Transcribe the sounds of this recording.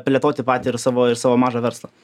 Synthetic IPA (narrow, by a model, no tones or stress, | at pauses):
pʲlʲɛt̪oːt̪ʲɪpɑːt̪ʲiɪɾsɑːʋoːɪɾsɑːʋoːmɑːʒɑʋʲɛɾslˠɐ